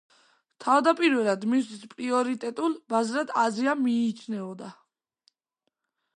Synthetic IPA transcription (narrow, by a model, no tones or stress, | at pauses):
t̪ʰavd̪apʼiɾvɛlˠad̪misispʼɾiɔɾit̪ʼɛt̪ʼulˠbazɾad̪aziamiːt͡ʃʰnɛɔd̪a